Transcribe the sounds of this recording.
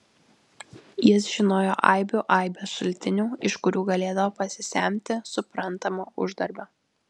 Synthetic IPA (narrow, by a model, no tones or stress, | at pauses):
jɪsʒʲɪnoːjoːʔɐɪbʲuːʔɐˑɪbʲoːsʃʊlʲt̪ʲɪnʲuːɪʃkʊɾʲuːɡɐlʲeːd̪ɐʋoːpɐsʲɪsʲæ̰ˑmʲt̪ʲɪsʊpɾɐnˑt̪ɐmoːʊʒd̪ɐɾʲbʲoː